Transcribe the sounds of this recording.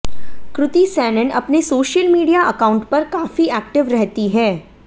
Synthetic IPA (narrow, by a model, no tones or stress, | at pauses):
kɾʊt̪isɛːnənɐpnesoːʃəlmiːɖijaʔɐkãːʊ̃ɳʈpɐɾkaːfiɛːk̚ʈɪʋɾɛɦt̪iɦɛː